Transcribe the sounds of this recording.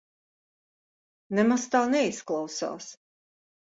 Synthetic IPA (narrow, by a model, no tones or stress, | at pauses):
nɛmast̪aːnɛisklˠawsa̰ːs